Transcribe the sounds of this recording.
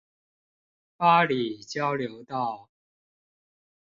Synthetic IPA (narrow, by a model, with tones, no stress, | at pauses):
pa˥li˨˩t͡ɕjɑ˥ʊljo˧˥ʊt̪ɑ˥˩ʊ